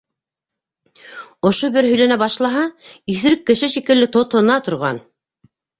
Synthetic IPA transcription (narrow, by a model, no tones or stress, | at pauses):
ŏʃobɘɾɦɵ̆jlænæbɑʃlˠɑɦɑiθɘ̆ɾɘkːɘ̆ʃɘʃikɘ̆lːɘt̪ŏt̪ŏnɑt̪ŏɾʁɑ̰n